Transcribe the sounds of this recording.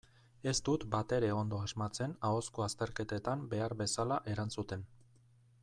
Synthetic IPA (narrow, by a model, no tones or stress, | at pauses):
e̞st̪ut̪bat̪e̞ɾe̞o̞nd̪o̞aʒmat͡se̞nao̞skoast̪e̞ɾke̞t̪e̞t̪ambe̞aɾbe̞salaʔe̞ɾansut̪e̞n